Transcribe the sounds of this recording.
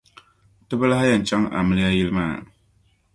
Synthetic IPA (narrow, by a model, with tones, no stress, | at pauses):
tɨ˦ba˦la˦ha˦ja˨n˨t͡ʃa˦ŋa̰˨mɪ˦lja˦jɪ˦lmaː˦˨